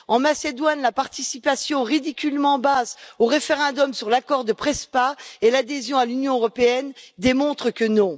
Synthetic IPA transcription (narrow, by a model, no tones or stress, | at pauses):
ɑ̃mased̪wanlapaʁt̪isipasjɔ̃ʁid̪ikʲylmɑ̃bazoʁefeʁɛ̃d̪ɔmsyʁlakɔʁd̪əpχɛspaelad̪ezjɔ̃alynjɔ̃øʁɔpeɛnd̪emɔ̃t̪χəkənɔ̃